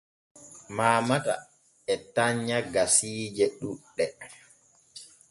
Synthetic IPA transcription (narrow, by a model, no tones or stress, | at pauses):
maːmata̰ | ɛtaɲːaɡasiːd͡ʒɛɗuɗːɛ